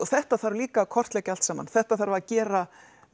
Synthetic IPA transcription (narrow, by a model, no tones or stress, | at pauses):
ɔθɛht̪aθaɾliːkakʰɔr̥t̪lɛːcal̥t̪saːma̰nθɛht̪aθaɾvaɾacɛːɾa